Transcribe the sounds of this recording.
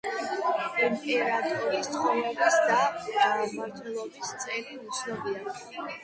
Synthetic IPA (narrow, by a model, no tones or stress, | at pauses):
impʼɛɾat̪ʼɔɾist̪χɔmɛbisd̪aaamaɾt̪ʰulˠɔbist̪sʼɛliut̪sʰnɔbia